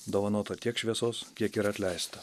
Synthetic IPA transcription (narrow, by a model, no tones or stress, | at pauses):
d̪oːʋɐnoːt̪oːt̪ʲiɛkʃʲʋʲiɛsoːskʲiɛkiːɾɐt̪ʲlʲɛɪst̪ɐ